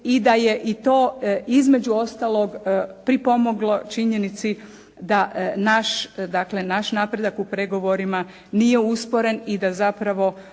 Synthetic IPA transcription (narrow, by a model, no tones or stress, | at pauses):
id̪aje̞ʔit̪o̞ːizme̞d͡ʑuo̞st̪alo̞ɡpɾipo̞mo̞ɡlo̞t͡ʃiɲe̞nit̪si | d̪anaʃd̪akle̞naʃnaːpɾe̞d̪akupɾe̞ɡo̞ʋo̞ɾima | nijeuspo̞ɾe̞nid̪azapɾaʋo̞